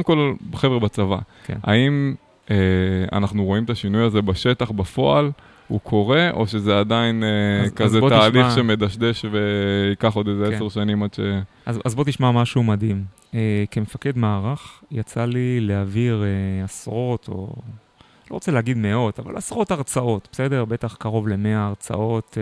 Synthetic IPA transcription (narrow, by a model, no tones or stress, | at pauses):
kemko̞lbeχevʁebat͡sava̰ | kenʔa̰im | ea̰naχnuʁo̞imt̪aʃinujazebaʃe̞t̪aχbafo̞al | ṵkʰo̞ʁe̞ʔo̞ʃezead̪ainekazet̪aːliχʃemed̪aʃd̪e̞ʃve̞ikaχo̞d̪ezeeseʁʃanimad̪ʃe | azazbo̞t̪iʃmamaʃumad̪im | ekemefake̞d̪maːʁaχjat͡salileaviʁeasʁo̞t̪ʰo̞̰ | lo̞ʁot͡selehaɡid̪me̞o̞t̪ava̰lasʁo̞t̪aʁt͡sao̞t̪̚bese̞d̪e̞ʁbe̞t̪aχkaʁo̞vle̞me̞aːʁt͡sa̰o̞t̪